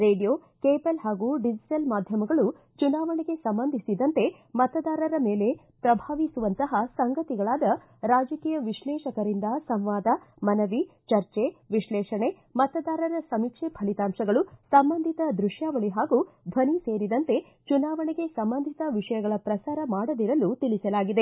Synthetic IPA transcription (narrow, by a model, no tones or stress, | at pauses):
ɾeːɖijoːkeːpɐlɦaːɡuːɖid͡ʒiʈɐlmaːd̪ʱjɐmɐɡɐɭu | t͡ʃunaːʋɐɳeɡe̞sɐmbɐnd̪ʱisid̪ɐnt̪e̞ | mɐt̪ɐd̪aːɾɐɾɐmeːle̞ | pɾɐbʱaːʋisuʋɐnt̪ɐɦɐsɐŋɡɐt̪iɡɐɭaːd̪ɐ | ɾaːd͡ʒɐkiːjɐʋiʃlɛːʃɐkɐɾind̪ɐsɐmʋaːd̪ɐ | mɐnɐʋi | t͡ʃɐɾt͡ʃeʋiʃlɛːʃɐɳe̞ | mɐt̪ɐd̪aːɾɐɾɐsɐmikʂepʰɐɭit̪aːmʃɐɡɐɭusɐmbɐnd̪ʱit̪ɐd̪ɾuʂjaːʋɐɭiɦaːɡub̪ʱɐnise̞ːɾid̪ɐnt̪e̞ | t͡ʃunaːʋɐɳɛɡe̞sɐmbɐnd̪ʱit̪ɐʋiʂɐjɐɡɐɭɐpɾɐsaːɾɐmaːɽɐd̪iɾɐlut̪ilisɐlaːɡid̪e̞